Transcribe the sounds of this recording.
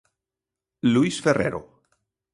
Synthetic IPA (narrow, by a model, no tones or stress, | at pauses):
luisferḛɾo̰